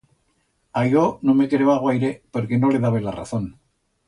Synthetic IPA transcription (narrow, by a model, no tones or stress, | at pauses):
ajɣonome̞kɾeβaɣwajɾepoɾke̞no̞le̞ðaβelara̰θo̞n